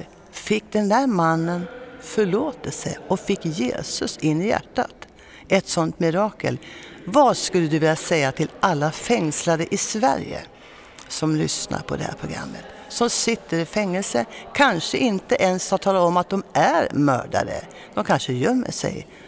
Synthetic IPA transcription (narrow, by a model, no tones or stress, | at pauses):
fɪkːd̪ɛnd̪æːɾmanːənfœɭoːt̪əsɛ̰jɔkfɪkːjḛːsɵsɪnːɪjæ̰ʈːa̰t̪ | ʔɛt̪sɔnt̪mɪɾɑːkə̰lvaskɵlːəd̪ɵvɪljasɛjːat̪ʰɪlʔalːafɛŋslaɾəʔɪsvæ̰ɾjə̰ | sɔmlʏ̰sna̰ɾpʰɔd̪ɛhæ̰ːɾpʰɾʊɡɾa̰mːət̪ | sɔmsɪt̪ːəɾɪfɛŋːəlsəkʰanʂəʔɪnt̪əʔɛnshat̪ʰːɑːlaɔmat̪̚d̪ɔmʔæɾmœ̰ːɖa̰d̪ə̰ | d̪̥ɔmkʰanʂəjœmːə̰ʂɛ̰j